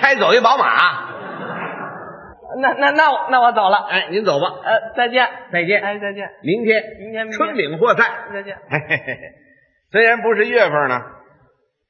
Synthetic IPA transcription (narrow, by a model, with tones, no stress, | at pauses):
kʰa˥ɪt͡so˨˩ʊi˥˩pɑ˧˥ʊma̰˨˩˦ | na˥˧na˥˧na˥˩wɔ˧˦na˥˩wɔ˧˥t͡so˨˩ʊlə˦a˥˩ɪni˧˥nt͡so˨˩ʊbɐ˦ə˥˧t͡sa˥˧ɪt͡ɕjɛ˥˩nt͡sa˥˧ɪt͡ɕjɛ˥˩n˥˧t͡sa˥˧ɪt͡ɕjɛ˥˩nmi˧˥ŋt̪ʰjɛ˥nmi˧˥ŋʰ˥ʈ͡ʂʰwə˥nli˨˩ŋxwɔ˥˧t͡sʰa˥˩ɪt͡sa˥˧ɪt͡ɕɛ˥˩n | swe˥ɪɻa˧˥npu˧˥ʂ̬ɻ̩˥˧ɥɛ˥˧fə˥˧˩nə˩